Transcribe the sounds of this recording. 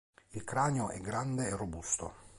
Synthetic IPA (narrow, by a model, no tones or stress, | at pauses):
ilkɾaːneoʔɛ̰ɡɾand̪eerːobust̪o̰